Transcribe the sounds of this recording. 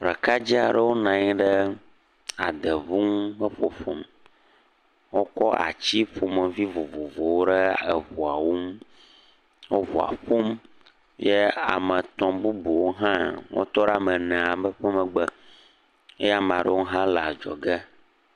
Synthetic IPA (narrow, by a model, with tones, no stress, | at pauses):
ɾə˨ka˦d͡ʑi˦a˨ɖə˦wo˦nã˨ɲi˦ɖə˦ | a̰˨d̪ə˨vu˦ŋ˦ɸə˦ɸo˨ɸo˨m | wo˦kɔ˦a̰˨t͡ɕi˦ɸo˨mə˨vi˦vo˨vo˨vo˨wo˦ɖɛ˦ə˨vo˨a˨wo˦m | wo˦vo˨a̰˨ɸo˦m | je˦a̰˨mə̃˨t̪ɔ̃˨bu˦bu˨wo˦ɦã˦wʔo̰˦t̪ɔ˦ɖa˨mɛ̃˨nɛ̃˨a˨bə˦ɸə˦mə̃˨ɡ͡bə˦ | e˦ja˦m̃˨ã˨ɖə̰˦wo˦ɦã˦la˨d͡ʒɔ̰˨ɡɛ˦